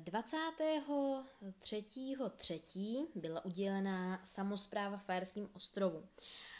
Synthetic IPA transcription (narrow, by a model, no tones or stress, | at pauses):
dvat͡saːt̪ɛːɦo̞t̪r̝̥ɛciːɦo̞t̪r̝̥ɛciːbɪlaʔuɟɛlɛnasamo̞spɾaːvafajɛɾskiːmʔo̞st̪ɾo̞vu